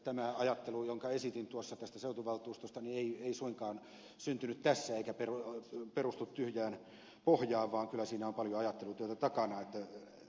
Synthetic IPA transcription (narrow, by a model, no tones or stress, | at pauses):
t̪æmæɑjɑt̪ːelujoŋkɑesit̪int̪uosːɑt̪æst̪æseut̪uʋɑlt̪uːst̪ost̪ɑnieieisuiŋkɑːn | synt̪ynyt̪t̪æsːæeikæperuperust̪ut̪t̪yhjæːn | pohjɑːʋʋɑːŋkylːˑæsiːnæompɑljoɑjɑt̪ːelut̪yøt̪æt̪ɑkɑnɑet̪ːæ